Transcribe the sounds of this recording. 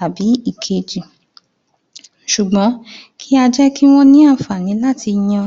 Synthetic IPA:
a˨bi˨˦i˦˨kʰe˧d͡ʒi˨ | ʃu˨ɡ͡bɔ̃˨˦kʰi˦a˧d͡ʒɛ˦ki˦w̃ɔ̃˦nĩ˦a˦˨fa˨nĩ˨˦la˦˨ti˧j̃ã˧

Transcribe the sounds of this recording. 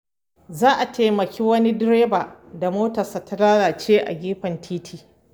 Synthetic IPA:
zaː˦ʔa˨tʰeː˨mɐ˨kʲiː˦wɐ˦ni˦dɪ˦ɾeː˦baː˨da˨moː˦tɐ˨saː˨ta˦laː˦ɽaː˨t͡ʃeː˦ʔa̰˨ɡʲiː˦ɸɐ˨ntʰiː˦tʰiː˨

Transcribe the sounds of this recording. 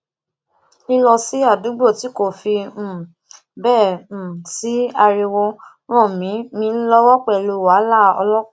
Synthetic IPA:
i˧lɔ˧si˦a˦˨dũ˨˦ɡ͡bo˦˨ti˨˦ko˦˨fĩ˧˦˨ | bɛ̃ː˦˨si˨˦a˧ɾi˧wo˧ | ñɔ̃˦˨mĩ˨˦mĩ˧˦lɔ˧wɔ˦k͡pɛ˦˨lo˧wa˨˦la˦˨ɔ̰˧lɔ˦˨

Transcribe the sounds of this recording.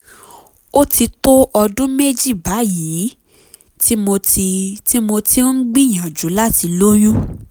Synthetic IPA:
o˦ti˧to˦ʔɔ˧dũ˦me˦d͡ʒi˦˨ba˨˦ji˨˦ | ti˦mo˧ti˧ti˦mo˧ti˦ɡ͡bi˦˨j̃ã˨d͡ʒu˨˦la˦ti˧lo˦j̃ũ˦

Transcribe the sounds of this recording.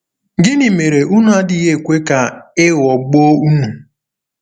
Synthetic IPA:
ɡɪ˦nɪ˨me˨ɾe˨ʔu˦nu˨˦a˦dɪ˦ɦe˦e˨kʷe˦ka˨ɪ˦ɣɔ˨ɡ͡bo˦u˦nu˨

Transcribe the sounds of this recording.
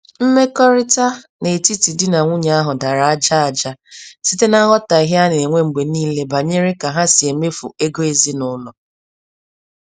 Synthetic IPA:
m̩˦me˦kɔ˦ɾɪ˦ta˦ | ne˨ti˦ti˨dɪ˦na˨ŋʷʊ˦ɲa˦a˦ɦʊ˨da˨ɾa˨a˦d͡ʒa˦a˨d͡ʒa˦si˦te˦na˦ɣɔ˦ta˨i˨˦ɦe˦a˦n˨e˨ŋʷe˦ŋ͡m̩˨ɡ͡be˨niː˦le˦ba˨ɲe˦ɾɪ˦ka˨ɦa˦si˨e˨me˦fṵ˨e˦ɡo˦e˨zi˦nʊ˦lɔ˨

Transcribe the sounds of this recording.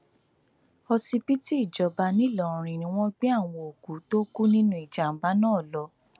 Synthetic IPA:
ɔ˧si˧pi˦ti˦i˦˨d͡ʒɔ˨˦ba˧nĩ˦˨lɔ̃˨ɾ̃ĩ˨˧˨nĩ˧˦w̃ɔ̃˦ɡ͡bi˦a˦˨w̃ɔ̃˧o˨ku˨˦to˦ku˦nĩ˦nũ˦i˨d͡ʒa˨m̩˨ba˦nãː˦˨lɔ˨˧˦

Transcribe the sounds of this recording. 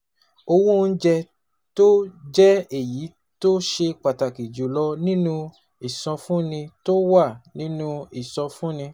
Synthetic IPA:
o˧wũ˦˧n̩˦d͡ʒɛ˧ | to˦d͡ʒɛ˦e˨ji˨˦ | to˦ʃe˧k͡pa˨ta˨ki˨d͡ʒu˨lɔ˧nĩ˦nũ˧ | i˨sɔ̃˧fũ˦nĩ˧to˦wa˦˨nĩ˦nũ˦i˨sɔ̃˧fũ˦nĩ˧

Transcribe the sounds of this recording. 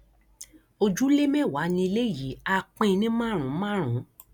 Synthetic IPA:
o˧d͡ʒu˦le˦mɛ̃˦˨wa˨˦nĩ˧i˧le˦˨ji˨˦a˦˧k͡pĩ˦˧nĩ˦mã˦˨ɾ̃ũ˨˦mã˦˨ɾ̃ũ˨˦

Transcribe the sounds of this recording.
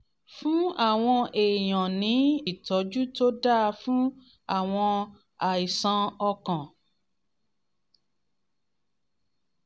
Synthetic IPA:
fũ˦a˦˨w̃ɔ̃˧e˨j̃ɔ̃˨nĩ˨˦i˦˨tɔ˨˦d͡ʒu˦to˦da˦˧fũ˦ | a˦˨w̃ɔ̃˧ | a˨i˨sã˧ɔ˧kã˨

